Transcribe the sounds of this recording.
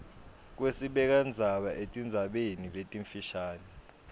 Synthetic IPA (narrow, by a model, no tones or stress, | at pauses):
k̬wesiɓɛk̬and͡zʱaɓaʔetʼind͡zʱaɓeniletʼiɱfiʃaːnɛ